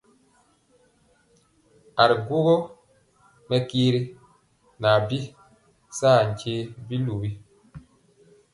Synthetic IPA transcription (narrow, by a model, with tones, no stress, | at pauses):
a˨ɾɡu˦ɣo˦ | mɛ˦kiː˦ɾi˦ | na˨bi˦ | saː˦˨ɲ˨t͡ʃe˦bi˦lu˨bi˦